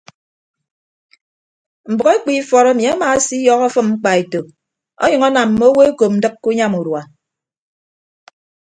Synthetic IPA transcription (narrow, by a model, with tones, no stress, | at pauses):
m̩˨bɔ˨ɣe˦k͡pi˦fɔ˨ɾɔ˦ni˨a˦ma˨˦si˦jɔ˦ɣɔ˦fɨ˦mŋ͡m̩˦k͡pa˨e˨to˨ | ɔ̰˦ɲʌ˨ŋɔ˦na˨m̩ː˨o˦wo˦e˦ko˨p̚n̩˨dɨ˦k̚ku˦ɲa˦mu˨ɾwa˨